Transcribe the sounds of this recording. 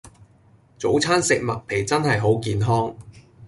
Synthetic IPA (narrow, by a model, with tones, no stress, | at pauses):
t͡so˨˥wt͡sʰaː˥nsɪ˨k̚mɐ˨t̚pʰe˨˩jt͡sɐ˥nhɐ˨jɦo˨˥wkiː˨nɦɔː˥ŋ